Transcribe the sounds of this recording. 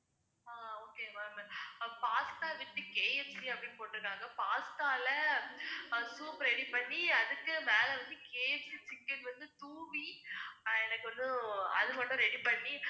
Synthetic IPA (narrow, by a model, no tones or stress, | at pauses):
aːoːkeːmampaːst̪aːʋɪʈːɯkeːjɛsiɐpːɐɽinpoːʈːɪɾɯkːaːŋɡɐpaːst̪aːlɐ | suːpɾɛɽipɐɳːiɐðɯkːɯmeːlɐʋɐnd̪ɯkeːjɛsit͡ʃɪkːɐnʋɐnd̪ɯt̪uːʋi | ɛnɐkːɯʋɐnd̪ɯɐ̰ðɯmɐʈːʊ̃ɾɛɽipɐɳːi